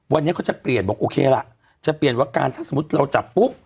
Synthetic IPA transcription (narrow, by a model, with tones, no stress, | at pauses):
wa˧nːi˦˥kʰa˥wt͡ɕa˨˩pli˨˩ənbɔː˨˩k̚ʔoː˧kʰeː˧la˨˩ʔ | t͡ɕa˨˩pli˨˩ənwaː˦˥˩ka̰ː˧nt̪ʰaː˥˩so˩˦m˦˥t̪̚ɾa˧wt͡ɕa˨˩pːu˦˥p̚